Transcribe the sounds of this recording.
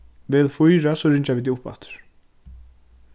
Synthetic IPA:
vɪðfujɾasɔɾɪɲt͡ʃaviːt̪̬iʊpa̰ht̪ʏ̥ɾ̥

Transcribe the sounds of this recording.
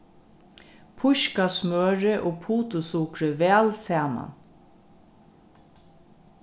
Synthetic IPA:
pʰʊʃkasmøːɹɪʔoːpʰuːt̪ʊsuːkɾəʋɛːlsɛːma̰n

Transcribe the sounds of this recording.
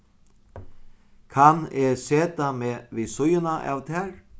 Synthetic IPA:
kʰanɛseːt̪amɛːʋisʊjɪnaʔa̰wt̪ʰɛːɾ

